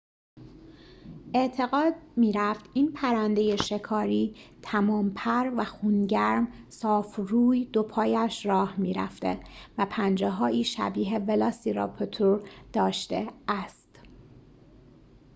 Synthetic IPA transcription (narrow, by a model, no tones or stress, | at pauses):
ʔe̞ʔt̪ʰe̞ɣɒːd̪̚miːɾæft̪iːnpʰæɾænd̪e̞jeʃe̞kʰɒːɾiːt̪ʰæmɒːmpʰæɾvæxuːnɟæɾmsɒːfruːjd̪o̞pʰɒːjæʃɾɒːhmiːɾæ̰ft̪e̞̰væpʰænd͡ʒeɦɒːʔiːʃæ̰biːɦe̞velɒːsiɾɒ̰pʰot̪ʰuɾd̪̥ɒːʃt̪ḛæst̪